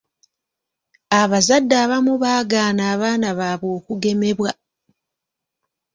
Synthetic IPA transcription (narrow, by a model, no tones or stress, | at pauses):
aβazadːaːβamuβaːɡaːnaːβaːnaβaːβo̞ːkuɡe̞me̞βwa